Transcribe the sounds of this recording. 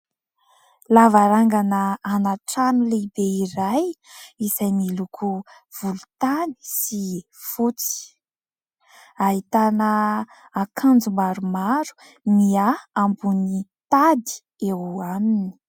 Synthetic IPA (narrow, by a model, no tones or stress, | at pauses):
lavaɾaŋɡanəːnaʈ͡ʂanulebeiɾajiz̥ajnilukʰu | v̥ulut̪ani̥si | fut͡si̥ | aɦit̪anə | akʰand͡zumaɾumaɾu̥ | miaːmbunit̪ad̪i̥ | ewamini̥